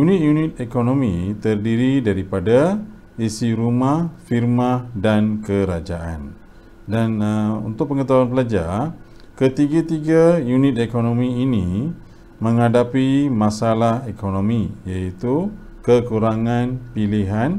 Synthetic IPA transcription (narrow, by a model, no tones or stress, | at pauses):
junɪ̃t̪̚junɪt̪̚ekonõmĩt̪ərdiɾidaɾipada | isiɾumahfirmahdankəɾad͡ʒaʔa̰n | danṵnt̪ʊk̚pəŋət̪auanpəlad͡ʒa | kət̪iɡat̪iɡajunɪt̪̚ekonõmiːni | mə̃ŋɦadapimãsalahekonõmijait̪u | kəkuɾaŋãnpiliɦan